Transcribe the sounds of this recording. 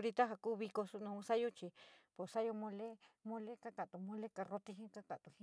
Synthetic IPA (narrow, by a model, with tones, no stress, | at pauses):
ɾi˧t̪a˦ɦa˧kuː˦˧βi˧ko˧su˧nũ˧ũ˧sa˦jo˦t͡ʃi˧po˨sa˦jo˧mõ˧le˦mõ˧le˦ka˦ka˨t̪u˨mõ˧le˦ka˧ro˧t̪i˧ɦĩ˦ka˦ka˨t̪u˨hĩ˦